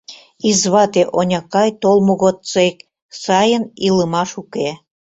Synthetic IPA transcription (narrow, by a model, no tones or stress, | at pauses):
izβɑt̪eʔonʲɑkɑjt̪olˠmuɣot̪t͡sek | sɑjəniləmɑʃuke